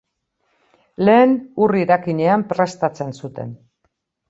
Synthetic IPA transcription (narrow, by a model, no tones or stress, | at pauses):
le̞ːnuriɾakiɲe̞ampɾe̞st̪at͡se̞nsut̪e̞̰n